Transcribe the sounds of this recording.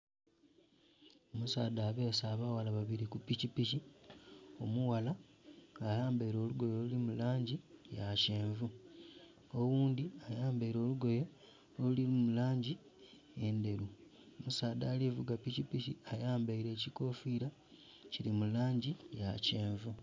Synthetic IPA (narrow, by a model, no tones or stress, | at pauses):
omusaːd̪aːβe̞ːsaːβawalaβaβiɾikupicipici | o̞muwala | ajaːmbaiɾo̞ːluɡo̞jo̞ːlulimulaːɲɟijaceːɱvu | owuːnd̪iajaːmbaiɾo̞ːluɡo̞jo | olulilimulaːɲɟi | e̞nde̞ɾu | omusaːdaːlivuɡapicipiciajaːmbaiɾe̞ːciko̞fiɾa | cilimulaːɲɟijaceːɱvu